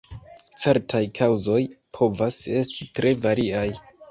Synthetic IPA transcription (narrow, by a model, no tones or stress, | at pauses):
t͡se̞ɾtʰajkʰawzo̞jpʰo̞vase̞stitɾe̞vaɾiaj